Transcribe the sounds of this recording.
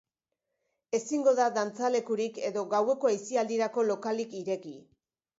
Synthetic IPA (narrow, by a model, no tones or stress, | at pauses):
e̞siŋɡo̞ðaðant͡sale̞kuɾike̞ðo̞ɣawe̞ko̞ajsiald̪iɾako̞lo̞kalikiɾe̞ki